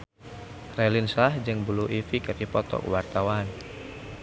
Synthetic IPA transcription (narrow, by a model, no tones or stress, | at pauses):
relinslahd͡ʒɨŋbuluʔifikədipɔt̪ɔ̰kwart̪awan